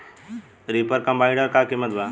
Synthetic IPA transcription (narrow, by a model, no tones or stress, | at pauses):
ɾipəɾkɐmbaːɪ̃ɖəɾkaːkimət̪ba